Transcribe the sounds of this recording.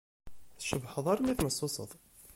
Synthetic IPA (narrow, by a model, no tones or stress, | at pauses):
θʃəbħəðˤaɾimæθməsˤːʊsˤə̰ðˤ